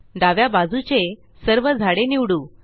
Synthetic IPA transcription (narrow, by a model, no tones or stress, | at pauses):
ɖaʋjabad͡zut͡se | səɾʋəd͡zʱaɽeniʋɽuː